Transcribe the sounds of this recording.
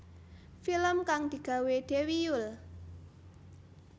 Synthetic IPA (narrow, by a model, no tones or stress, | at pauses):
filəmkaŋd̪̥i̤ɡ̥a̤wed̪̥ewijʊl